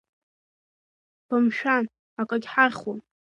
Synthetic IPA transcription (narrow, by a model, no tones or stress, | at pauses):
b̥amʃᶣan | akʼaɡʲħarχwa